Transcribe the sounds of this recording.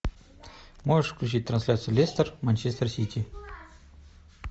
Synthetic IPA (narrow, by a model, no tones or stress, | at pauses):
moʐɨʂfklʲʉt͡ɕit̚ʲt̪ɾɐnsʲlʲat̪sɨjʊlʲest̪ərmanʲt͡ɕest̪ərsʲitʲi